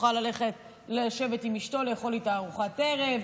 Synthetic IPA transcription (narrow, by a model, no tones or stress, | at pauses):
χalale̞χe̞t̚ | leʃe̞vetimiʃto̞lejeχo̞litaːʁuχate̞ʁe̞v